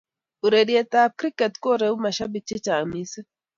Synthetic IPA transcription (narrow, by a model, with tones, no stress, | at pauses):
u˨ɾe˨di˨ɛ˨t̪a˦p̚kɾi˦kɛ˨tko˦ɾe˨u˦ma˨ʃa˦bi˨t͡ʃe˦t͡ʃa˨mi˦se˦